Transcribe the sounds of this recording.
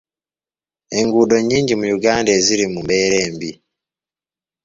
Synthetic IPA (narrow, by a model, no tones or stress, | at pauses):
e̞ŋɡudo̞ɲiːɲɟimujuɡaːndeziɾimumbeːɾeːmbi